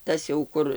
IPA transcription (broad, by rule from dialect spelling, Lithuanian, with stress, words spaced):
ˈtɐs jɛʊ ˈkʊr